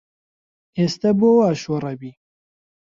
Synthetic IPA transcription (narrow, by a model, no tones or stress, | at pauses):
eːst̪ɐboːwaːʃorˤɛbiː